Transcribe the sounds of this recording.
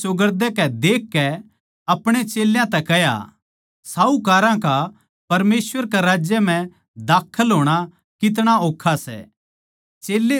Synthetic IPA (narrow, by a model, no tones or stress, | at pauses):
sʊɡəɾd̪ɛkɛd̪eːkːɛ | ɐpɽ̃et͡ʃeːljãt̪ɛkɛɦja̰ | saːukaːɾãka | pɐɾmeːswəɾkaɾaːd͡ʒjəm̤ɛ̃ | d̪aːkʰəlɦoːɽ̃a | kɪt̪̬ɽ̃aoːkʰːasɛ̰ | t͡ʃeːlːe